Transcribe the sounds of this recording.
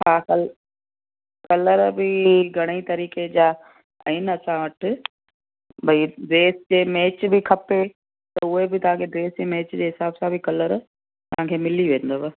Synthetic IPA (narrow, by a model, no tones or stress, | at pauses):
ɦaːkɐl | kɐləɾbɪɡʱɐɽ̃it̪ɐɾiːked͡ʑaː | ɐ̰ɪnɐsãʋɐʈ̆ʰ | bʱɐid̪eːsd͡ʑeːmeːt͡ɕbɪkʰɐpe | t̪ɐʊɦebɪt̪ɐʋ̤ɦãkʰed̪eːsd͡ʑemeːt͡ɕd͡ʑeːɦɪsaːbsãbɪkɐləɾ | t̪ɐʋ̤ãːkʰemɪliʋẽːn̆d̪oːbɐ